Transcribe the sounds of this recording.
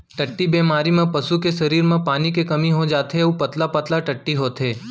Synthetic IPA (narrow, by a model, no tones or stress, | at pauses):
ʈɐʈːibeːmaːɾimẽpɐsukeʃɐɾiːɾmẽpaːnikekɐmiɦod͡ʒaːt̪ɦeupɐt̪lapɐt̪laʈɐʈːiɦoːt̪ɦeː